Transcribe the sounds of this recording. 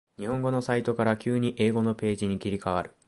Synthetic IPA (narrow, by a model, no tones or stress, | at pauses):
ɲ̟ihõ̞ŋɡo̞no̞sait̪o̞kaɾakʲɨːɲ̟iʔe̞ːɡo̞no̞pe̞ːʑiɲ̟ikʲiɾʲikaβaɾɯ̟̥